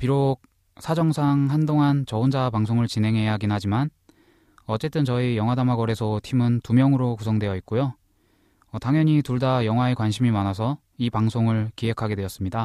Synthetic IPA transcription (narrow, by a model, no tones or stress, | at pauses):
piɾok̚ | s͈ʰad͡ʑʌŋsʰaŋɦandoŋɦant͡ɕʌund͡ʑapaŋsʰoŋɯɭt͡ɕine̞ŋɦe̞jaɦaɡinɦad͡ʑiman | ʌt͡ɕ͈e̞t͈ɯnt͡ɕʌijʌŋwadamaɡʌɾe̞sʰʌtʰimɯntumjʌŋɯɾokusʰʌŋdwe̞jʌit̚k͈ojoː | taŋjʌɲituɭdajʌŋwae̞kwanɕʰimimanasʰʌ | ipaŋsʰoŋɯɭkiɦe̞kʰaɡe̞dwe̞jʌs͈ɯmɲida